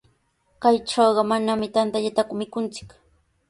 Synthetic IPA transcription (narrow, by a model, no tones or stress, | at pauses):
kajʈ͡ʂɑwɢɑmanamɪt̪ant̪aʎat̪akʊmɪkʊnt͡sɪ̥k